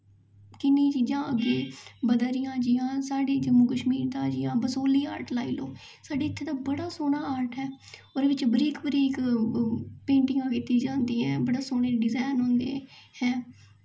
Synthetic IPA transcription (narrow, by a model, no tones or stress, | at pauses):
kɪnːiːt͡ʃiːd͡ʒãːʔəɡeːbəd̪aɾɪjãːd͡ʒijãːsaːɖeːd͡ʒəmuːkəʃmiːɾt̪aːd͡ʒɪjãːbəsoːliːa̰ːɾʈlaːiːloː | saːɖeːɪt̪ʰːeːt̪aːbəɽaːsoːnaːaːɾʈɦɛː | oːɾeʋɪt͡ʃbəɾiːkbəɾiːk | pẽːɳʈɪŋɡãːkɪt̪iːd͡ʒãːnd̪iːɛ̃ːbəɽaːsoːɳeːɖɪzaːnɦõːnd̪ḛːhɛː